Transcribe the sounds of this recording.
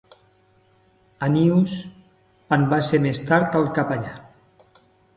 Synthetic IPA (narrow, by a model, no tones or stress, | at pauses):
anius | anbasemest̪aɾt̪alˠkapaʎa